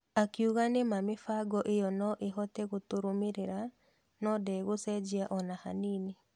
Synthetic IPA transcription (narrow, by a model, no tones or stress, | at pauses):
akeuɣanemamefaɡɔʔejɔnɔʔeɦɔtɛɣotoɾomeɾeɾa | nɔdɛɣosɛd͡ʒiaʔɔnaha̰nine